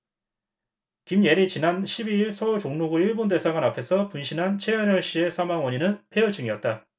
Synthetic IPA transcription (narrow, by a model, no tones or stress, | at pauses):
kimje̞ɾit͡ɕinanɕʰibiiɭsʰʌot͡ɕoŋnoɡuiɭbonde̞sʰaɡanapʰe̞sʰʌpunɕʰinɦant͡ɕʰe̞jʌnʌɭɕ͈ie̞sʰamaŋwʌɲinɯnpʰe̞ɯɭt͡ɕʰɯŋiʌt̚t͈a